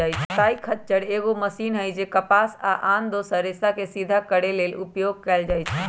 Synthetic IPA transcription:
ajt͡ʃʰt̪aikʰətːt͡ʃəɽeɣoməsinɦəjd͡ʒekəpasaʔand̪osəɾesakesid̪ʱakəɽelelṵpjoɡ̚kɛld͡ʒajt͡ʃʰ

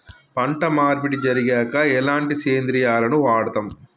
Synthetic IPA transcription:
pɐɳʈɐmaːɾbiʈid͡ʒɐɾiɡɛːkɐɛlaːɳʈiseːnd̪ɾijaːlɐnuʋaːɽɐt̪ɐm

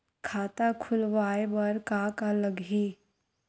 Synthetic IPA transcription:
kʰaːt̪akʰʊlʋaːebɐɾkaːkaləɡɦiː

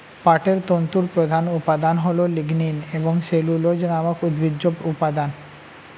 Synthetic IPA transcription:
paʈeɾt̪ont̪uɾpɾod̪ʱanupad̪anɦololiɡnineboŋselulod͡ʑnamakud̪bʱid͡ʑːopupad̪an

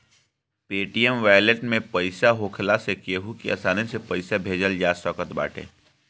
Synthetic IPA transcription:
peːʈijəmʋaːjleʈmẽpɐɪsaɦokʰlasekeɦukiɐ̰saːnesepɐɪsabʱeːd͡ʒəld͡ʒaːsɔːkət̪ba̰ːʈʰḛ̃ː

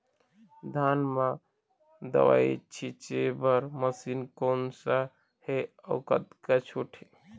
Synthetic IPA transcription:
d̪ʱanma | d̪ə̰wa̰it͡ʃʰit͡ʃebəɾməsinkonsa | heəʊkət̪kat͡ʃʰuʈʰi

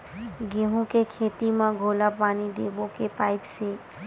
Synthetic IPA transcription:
ɡeːɦõkekʰeːt̪imãɡʱoːlapaːnid̪eːbõkepaːɪpse

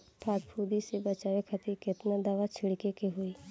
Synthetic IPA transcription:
pʰaːt̪pʰuːd̪isebət͡ʃaːʋekʰət̪ikɪt̪nad̪aʋat͡ʃʰɪɽkekeɦoiː

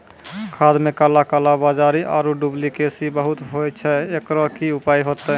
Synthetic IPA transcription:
kʰad̪mekalakalabad͡ʒaɾiʔa̰ɾuɖublikesibəɦut̪ɦot͡ʃʰɛekɾɔkiupajɦot̪ə

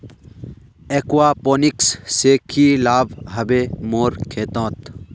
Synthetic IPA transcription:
ekuwaːponiksseːkʰiːlaːbɦɐbemoːɾkʰeːt̪õːt̪

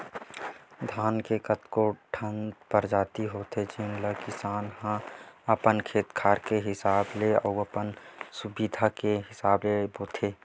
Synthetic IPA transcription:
d̪ʱaːnkekət̪koːʈʰə̃nd̪pəɾd͡ʒaːt̪iɦoːt̪ʰet͡ʃɪnləkɪsaːnhãəpənkʰeːt̪kʰaːɾkeɦɪsaːbleɔːəpənsʊbid̪ʱakeɦɪsaːbleboːt̪ʰeː

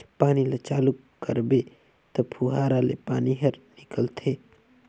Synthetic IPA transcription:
paːnilət͡ʃaːluk | kəɾbe | t̪ɐpʰuɦaːɾalepaːniɦəɾnɪkəlt̪ʰeː

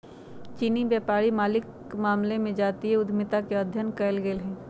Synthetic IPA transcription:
t͡ʃiːnibjaːpaːɾimaːlɪk | maːmlemẽd͡ʒaːt̪iɦɛʊd̪ʱmɪt̪akeɐd̪ʱjənkɛːlɡeːlɦɛ̃ː

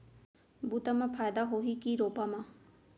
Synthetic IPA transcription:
buːt̪aːmãːpʰaːjd̪aːɦoːɦiːkiːɾoːpaːmãː

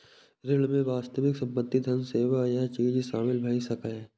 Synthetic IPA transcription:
ɾɪlmẽʋaːst̪əʋɪksɐ̃mbət̪ːid̪ʱɐnseːʋajat͡ʃiːd͡ʒsaːmɪlbʱɐisɐkaɛː

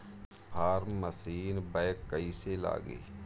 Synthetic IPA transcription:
pʰaːɾməsiːnbɛːjkːəisela̰ːɡḭː

